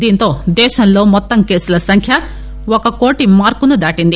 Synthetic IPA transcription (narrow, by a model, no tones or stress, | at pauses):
d̪iːnt̪o̞ːd̪ɛːʃɐnlo̞ːmɔt̪ːɐmke̞ːsulɐsɐŋkʰjɐ | ɔkɐko̞ːʈimaːɾkunud̪aːʈind̪i